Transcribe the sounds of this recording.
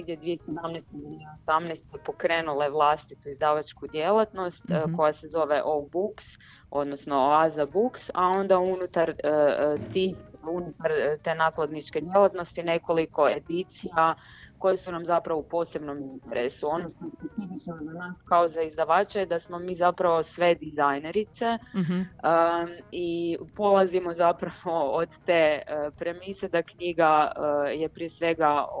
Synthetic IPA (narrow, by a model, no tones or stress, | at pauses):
neɡdjed̪ʋiesed̪amnɛst̪ed̪ʋieosamnɛst̪ɛpo̞kɾe̞ːnulˠeʋlˠast̪it̪uizd̪aʋat͡ʃkud̪jelˠat̪no̞st̪ko̞jasezo̞ʋe̞ʔowbuks | o̞̰d̪nosno̞azabuksa̰o̞nd̪aunut̪aɾ | t̪ixunut̪aɾt̪e̞naklˠad̪nit͡ʃke̞d̪jelat̪no̞st̪ine̞ko̞liko̞e̞d̪it̪sijako̞jesunamzapɾaʋoupo̞ːse̞bno̞mint̪eɾḛsuo̞noʃt̪oespet̪sifit͡ʃnozanaːskaozaizd̪aʋaːt͡ʃajed̪asmo̞miːzapɾaʋo̞sʋe̞d̪izajne̞ɾit̪se̞ | əipo̞lˠazimo̞zapɾaʋo̞od̪t̪eːəpɾe̞mised̪akɲiɡaəjepɾiesʋeɡa